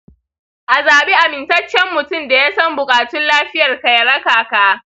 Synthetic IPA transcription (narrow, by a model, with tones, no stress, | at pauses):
ʔa˨zaː˨ɓe˦ʔa˨mɪ˨ntɐ˦t͡ʃːjɛ˦mːʊ˨tʊ˦mda˨jaː˦sɐ˦mbʊ˨kʼaː˨tʊ˦nlaː˦ɸɪ˦jɐ˨rkɐ˨jɐ˨ɾɐ˦kaː˨kaː˦